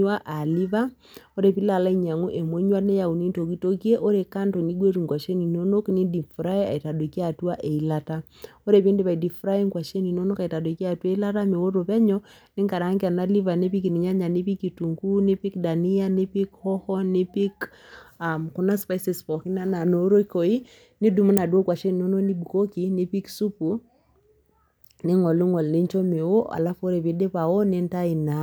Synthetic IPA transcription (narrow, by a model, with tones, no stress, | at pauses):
wa˦ʔa˨li˦va˦ | o˦ɾe˨pi˦la˨la˦i˦ɲa˨ŋu˦ʔe˨mwo˦ɲwa˦ne˦ja˨u˨ni˦nto˨ki˦to˦kje˦ʔo˦ɾe˨ka˦nto˨ni˦ɡwe˦ɾu˨ŋɡwa˨ʃe˦ni˨no˦no˦kne˦di˨fɾa˦e˦a̰˨i˨ta˨dwo˨ki˦a˨twa˦ʔe˨i˨la˦ta˦ | o˦ɾe˨pe˦nde˦βa˨i˨di˨fɾa˦je˦ŋɡwa˨ʃe˦ni˨no˦no˦ka˨i˨ta˨de˨ki˦a˦˨twe˦i˦la˦ta˦me˨wo˦ɾo˨pɛ˦ɲɔ | ne˦ŋɡa˨ɾa˨˦ŋɡe˦a˨na˦li˦va˨ne˦pi˦ki˨ni˨ɲa˦ɲa˨ne˦pi˦ki˨tu˨ŋɡu˦nɪ˦pi˦kda˨ni˦a˦nɪ˦pi˦khɔ˦hɔ˦nɪ˦pi˦k | a˨mku˦na˦spa˦si˨spɔ˨ki˦na˦na˨no˨˦ɾo˦i˦ko˨i˦ | nɪ˦du˨mu˦na˨dwo˦kwa˨ʃe˦ni˨no˦no˦ni˦bu˨ko˦ki˨nɪ˦pi˦ksu˦pu˨ | nɪ˦ŋɔ˨li˦ŋɔ˨lne˦ɲt͡ʃɔ˦me˨wo˦a̰˨la˦fo˦ɾe˨pe˦nde˦pa˨ɔ˦ne˦nta˦i˨na˨